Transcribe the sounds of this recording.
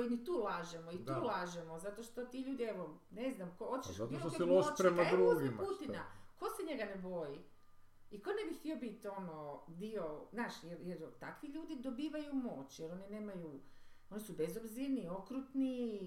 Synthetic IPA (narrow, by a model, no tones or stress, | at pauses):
kojinit̪uːlˠaʒemoid̪t̪uːlˠaːʒemozat̪oʃt̪ot̪iʎuːd̪ieʋoneznamkoot͡ʃeʃat̪iokiloʃɾemaɾuoɡimput̪inako̞seɲe̞ɡanebo̞ji | ikonebixt̪iobit̪o̞nod̪iozaːʃjeɾjeɾt̪akʋiʎuːd̪id̪o̞biːʋajumo̞t͡ɕjeɾo̞nine̞ːmajuo̞nisubezobziɾnio̞kɾut̪ni